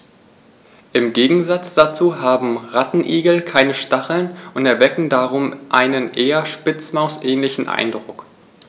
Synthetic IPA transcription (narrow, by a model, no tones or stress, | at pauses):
ʔɪmɡeːɡŋ̩zat͡sd̥at͡suːɦaːbm̩ʁatn̩ʔiːɡl̩kʰaɪnəʃtaχl̩nʔʊntɛɐvɛkŋ̩daʁ̞ʊmʔaɪnənʔeːɐʃpɪt͡smaʊsʔɛːnlɪçn̩ʔa̰ɪndʁʊk